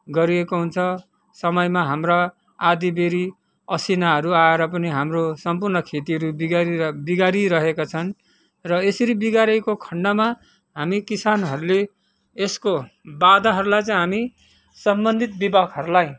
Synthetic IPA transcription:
ɡʌɾiekoɦunt͡sʰʌ | sʌmʌjmaɦamra | ad̪ibeɾi | ʌsinaɦʌɾuaeɾʌpʌniɦamrosʌmpurnʌkʰet̪iɦʌɾubiɡaɾibiɡaɾiɾʌɦekat͡sʰʌn | rʌesʌɾibiɡaɾʌjkokʰʌɳɖʌma | ɦamikisanɦʌɾuleː | skobad̪aɦʌɾulajt͡sʌj̃ɦami | sʌmbʌnd̪ʱit̪̚bibakɦʌɾulaj

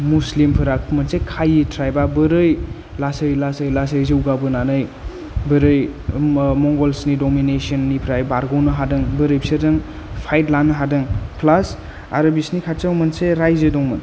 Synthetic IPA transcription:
muslimpʰɯɾakmɯnsekʰajitʰɾajbabɯɾɯj | lasɯjlasɯjlasɯjzɯwɡabɯnanɯj | bɯɾɯj | mɔŋɡɔlsnidɔminesɔnːipʰɾajbaɾɡɔwnɯɦadɯŋbɯɾɯjpsedɯŋ | pʰajtlanːɯɦadɯŋpʰlas | a̰ɾɐbisnikʰatsawmɯnseɾajzedɔŋmɯn

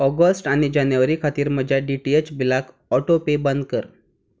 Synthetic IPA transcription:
ɔɡəsʈaɽ̃id͡ʑanjəʋəɾiːkʰat̪iːɾm̤əd͡ʑʱjaɖiʈiet͡ɕbilakʰ | ɔʈopebənd̪̚kəɾ

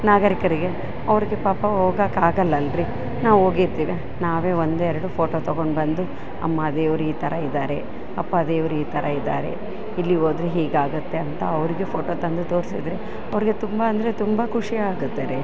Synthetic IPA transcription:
naːɡɐɾikɐɾiɡe̞ | ɐʋɐɾiɡe̞paːpɐɦoːɡaːkaːɡɐlːɐlɾi | naːʋo̞ːɡiɾt̪iːʋi | naːʋe̞ːo̞nd̪uɛɾɐɽupʰo̞ːʈoːt̪ɐɡo̞ɳɖbɐnd̪u | ɐ̰mːad̪eːʋɐɾuiːt̪ʰɐɾɐid̪ːaːɾe̞ | ɐpːɐd̪eːʋɐɾuiːt̪ʰɐɾʔɐid̪ːa̰ːɾe̞̰ | ilːioːd̪ɾeɦiːɡaːɡut̪ːe̞ɐnt̪ɐɐʋɐɾiɡe̞pʰo̞ːʈoːt̪ɐnd̪ut̪o̞ːɾisḭd̪ɾe | ɐʋɐɾiɡe̞t̪umbɐɐnd̪ɐɾet̪umbɐkʰuʂijɐaːɡut̪ːeɾe

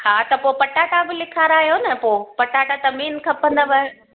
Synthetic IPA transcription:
haːt̪ɐpoːpɐʈaːʈabɪlɪkʰaːɾaːɦijonɐpoːpɐʈaːʈat̪ɐmiːnkʰɐpə̃nd̪aʋɐ

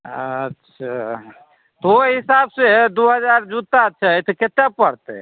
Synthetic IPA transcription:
ətːʃʰa | t̪oɦisabsed̪oɦəd͡ʒaɾd͡ʒut̪at͡ʃʰaɦit̪ket̪epəɽt̪ḛ

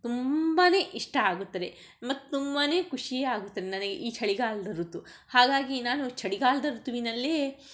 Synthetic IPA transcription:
t̪umbaːne̞ːʔiʂʈɐaːɡut̪ːɐd̪e̞ | mɐt̪ːut̪umbane̞ːkuʂijeːaːɡut̪ːɐd̪enɐnɐɡeʔiːt͡ʃʰɐɭiɡaːld̪ɐɾut̪ːu | haːɡaːɡinaːnut͡ʃʰɐɽiɡaːld̪ɐɾut̪ːuʋinɐlːeː

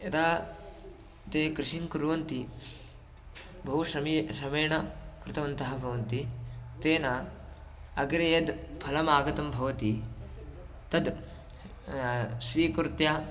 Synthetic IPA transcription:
ɐt̪aː | t̪eːkɾɪʃiŋkuɾʋɐnt̪i | bʱɐɦuʃɐmiʃɐmɐjɳɐkɾɪt̪ɐʋɐnt̪ɐɦɐbʱɐʋɐnt̪it̪eːna | ɐɡɾɐjɐd̪pʰɐlɐmaːɡɐt̪ɐmbʱɐʋɐt̪i | t̪ɐd̪ | sʋiːkuɾt̪jaː

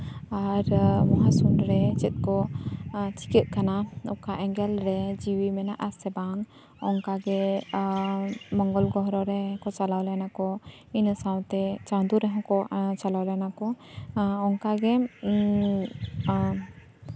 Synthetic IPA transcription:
aɾmɔɦasunɾɛt͡ʃɛt̪̚kɔ | t͡ʃi̥kɛt̪̚kanaɔkaʔɛŋɡɛlɾɛd͡ʒiwimɛnaʔasɛbaŋ | ɔŋkaɡɛ | mɔŋɡɔlɡɔɦɾɔɾɛkɔt͡ʃalawlanakɔ | insaw̃t̪ɛt͡ʃãd̪uɾɛɦɔ̃kɔt͡ʃalawlajnakɔ | ɔŋkaɡɛ

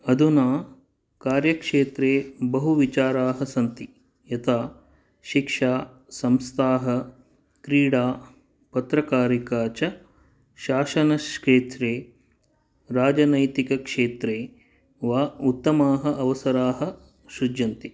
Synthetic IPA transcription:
ɐd̪ʱunaː | kaːɾjɐkʂeːt̪ɾeːbɐɦuʋit͡ʃaːɾaːɦɐsɐnt̪i | jɐt̪ʰaː | ʃikʂaː | sɐmst̪ʰaːɦɐ̆ | kɾiːɽaː | pɐt̪ɾɐkaːɾikaːt͡ʃɐ | ʃaːʃɐnɐskeːt̪ɾeː | ɾaːd͡ʒɐnɐjt̪ikɐkʂeːt̪ɾeː | ʋaːut̪ːɐmaːɦɐ̆ʔɐʋɐsɐɾaːɦɐ̆ | ʃud͡ʒːɐnt̪i

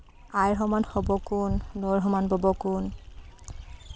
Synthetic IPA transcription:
ajɹɦɔmanhobɔkunːɔɹɦɔmanbɔbɔkun

